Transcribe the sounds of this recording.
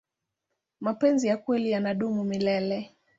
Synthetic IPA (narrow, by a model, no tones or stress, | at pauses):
mapɛnzijakwɛlijanaɗumumilɛlɛ